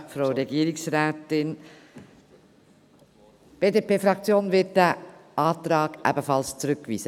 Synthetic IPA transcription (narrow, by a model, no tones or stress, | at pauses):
fɾoʊɾɛɡiːɾɪksɾɛːtɪn | b̥eːdepeːfɾɑk̚t͡sjoːnvɪt̚d̥ɛʔɑːt̪ɾɑːɡ̥ʔæ̰bəfɑlst͡suɾʏkːvḭːzə